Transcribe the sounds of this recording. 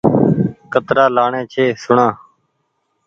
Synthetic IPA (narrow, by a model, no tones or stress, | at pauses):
kət̪ɾaːlaːɳẽːt͡ʃʰeːsʊɳãː